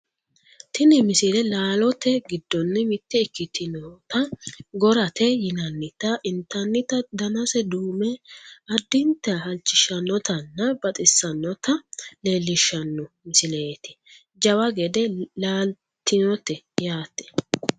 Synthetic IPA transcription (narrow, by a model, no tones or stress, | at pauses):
t̪ɪnɪmɪsɪlɛlaːlɔt̪ɛɡɪd̪ːɔnːɪmɪt̪ːɛɪkːɪt̪ːɪnɔt̪ɐɡɔɾɐt̪ɛjɪnɐnːɪt̪ːɐʔɪnt̪ːɐnːɪt̪ɐd̪ɐnɐsɛd̪uːmɛɐd̪ːɪnt̪ːɛhɐlt͡ʃːɪʃɐnːɔt̪ɐnːɐbɐt̪ʼɪsːɐnːɔt̪ɐle̞ːlːɪʃɐnːɔ | mɪsɪleːt̪ɪ̥ | d͡ʒɐwɐɡɛd̪ɛlaːl | t̪ːɪnɔt̪ːɛ | jaːt̪ːɛ̥